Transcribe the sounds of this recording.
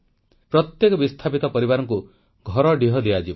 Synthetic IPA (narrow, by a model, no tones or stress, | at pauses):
pɾɔt̪jekɔbist̪ʰapit̪ɔpɔɾibaɾɔŋku | ɡʱɔɾɔɖiɦɔd̪iad͡ʒi